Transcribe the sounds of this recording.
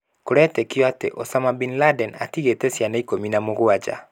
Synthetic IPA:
koɾɛtɛkiɔatḛʔɔsamabinladɛna̰tiɣetɛsjanaikominamoɣoad͡ʒa̰

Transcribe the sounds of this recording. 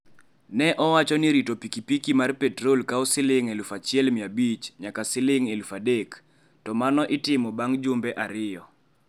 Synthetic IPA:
nɛʔɔwat͡ʃɔnɪɾitopikipikimarpɛtɾolkaɔsɪlɪŋelfat͡ʃɪɛlmɪabit͡ʃɲakasɪlɪŋelfadek | tɔmanɔʔɪtɪmɔbaŋd͡ʒʊmbɛʔaɾɪjɔ

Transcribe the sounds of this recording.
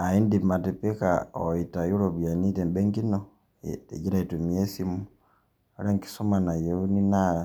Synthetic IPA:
aindimatepikaoitajuɾoβujanitɛmbeŋɡino | ḛɟiɾaitumiesimu | eɾaŋki̥somanajeunina

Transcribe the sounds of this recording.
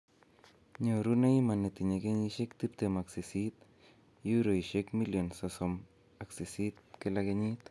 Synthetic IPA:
ɲoɾunaimanet̪iɲekeɲiʃekt̪ipt̪emaksisit̪̚ | juɾoiʃekmiljonsosom | aksisit̪̚kelakeɲit̪

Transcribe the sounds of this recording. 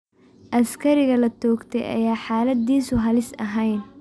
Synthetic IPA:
ʔɐskʰɐɾɪɣɐlɐt̪ʰɔːɡt̪ʰɛ̰jʔɐ̰jaːħaːlɐd̪iːsʊɦɐlɪsɐ̰ɦɛjn

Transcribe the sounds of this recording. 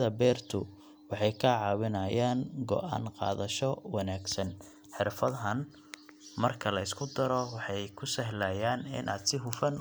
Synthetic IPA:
ðɐbɛːrt̪ʰʊ | wɑħɑjkʰɐʕɑːwɪnɐjaːŋɡɔ̰ʔa̰ːnqɑ̰ːðɐʃɔwɑnaːɡsɐn | ħɪrfɐðɦɐn | mɐrkʰɐlɐɪskʰʊd̪ɐɾɔwɑħɑjkʰʊsɐɦlɐjaːnɪ̰nʔa̰ːd̪sɪɦʊfɐn

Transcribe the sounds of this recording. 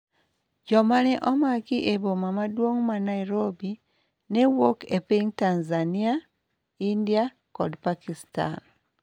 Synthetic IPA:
ɟomaneʔomakiʔeβomamadwoŋumanaiɾobi | newokepeŋtanzania | india | kodpakista̰n

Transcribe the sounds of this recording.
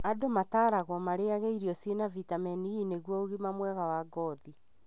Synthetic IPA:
adomataːɾaɣwɔmaɾeaɣeiɾiɔsienavitamɛniineɣwɔoɣimamwɛɣawaɡɔði

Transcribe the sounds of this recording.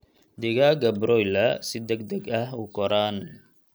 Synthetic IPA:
d̪ɪɣaɡɐbɾɔjlɐsɪd̪ɐɡd̪ɐɡɐhukɔɾaːn

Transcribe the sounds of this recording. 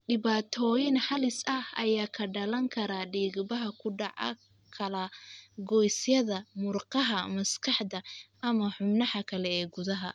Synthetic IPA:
ɖɪβaːt̪ʰɔːjɪnħɑlɪsɐhɐ̰jaːkʰɐɖɐlɐŋkʰɐɾaːɖiːɣbɐɦɐkʰʊɖɑʕɐ̰ | kʰɐlɐɡɔjsjɐðɐmʊrqɑɦɐmɐskʰɑħd̪ɐʔɐmɐħʊmnɑhɐkʰɐlɛɛːɡʊðɐɦɐ̰

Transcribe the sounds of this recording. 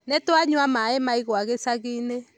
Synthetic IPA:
netwaɲwamaemaiɣwaɣesaɣiːne

